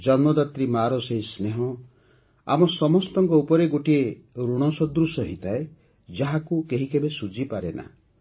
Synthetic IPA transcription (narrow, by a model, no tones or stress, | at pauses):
d͡ʒɔnmɔd̪at̪ɾimaɾɔseɦisneɦɔ | a̰mɔsɔmɔst̪ɔŋkɔupɔɾeɡoʈie | ɾuɽ̃ɔsɔd̪ɾusɔɦit̪ʰae | d͡ʒaɦakukeɦikebesud͡ʒipaɾena̰